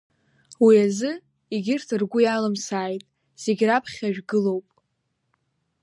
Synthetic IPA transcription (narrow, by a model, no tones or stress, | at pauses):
wiazɨ | iɡʲɪrtʰɨrɡʷʊjalɨmsaːjtʼ | z̥e̞ɡʲrapʰχʲaʒᶣɡɨlo̞wpʼ